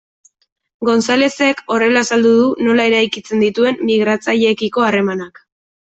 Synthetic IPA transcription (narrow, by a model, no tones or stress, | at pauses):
ɡo̞nsale̞se̞ko̞re̞lasald̪uðuno̞lae̞ɾajkit͡se̞nd̪it̪ue̞mːiɣ̞ɾat͡saʎe̞ːkiko̞are̞manak